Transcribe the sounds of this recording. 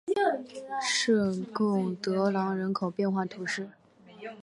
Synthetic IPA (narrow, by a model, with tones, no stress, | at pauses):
ʂɻ̩˥˩kʊ˥˩ŋt̪ɤ˧˥lɑ˧˥ŋɻə˧˥nkʰo˨˩ʊpjɛ˥˧nxwa˥˩t̪ʰu˧˥ʂɻ̩˥˩